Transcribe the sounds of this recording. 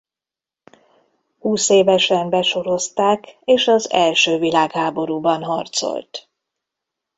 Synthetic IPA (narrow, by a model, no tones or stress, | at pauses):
huːseːvɛʃɛmbɛʃo̞ɾo̞st̪aːkeːʃɒzɛ̰lʃøːvilaːkhaːbo̞ɾuːbɒnɦɒrt̪so̰lt̪